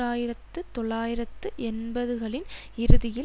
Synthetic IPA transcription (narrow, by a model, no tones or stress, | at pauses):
aːjɪɾɐt̪ːɯt̪ɔɭːaːjɪɾɐt̪ːɯʔɛnbɐðɯɣɐɭɪn | ɪɾɯðɪjɪ